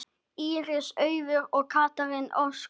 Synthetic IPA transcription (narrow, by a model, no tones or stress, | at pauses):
iːɾɪsœːɥvʏɾɔɣkʰaːt̪aɾɪnʔɔ̰ws